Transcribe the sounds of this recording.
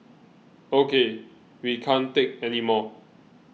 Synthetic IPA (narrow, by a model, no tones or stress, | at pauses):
okʰe | wikʰãnt̪ek̚ɛnimɔ